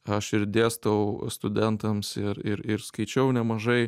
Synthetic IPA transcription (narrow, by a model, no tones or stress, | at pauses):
ɐʃɪɾd̪ʲeːst̪ʋɐʊst̪ʊd̪ʲɛnt̪ɐmsɪɾɪɾɪɾskɐɪt͡ʃʲɛʊnʲɛmɐʒɐɪ